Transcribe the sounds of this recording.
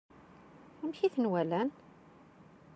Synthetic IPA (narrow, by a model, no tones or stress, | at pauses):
æmçiθənwælæn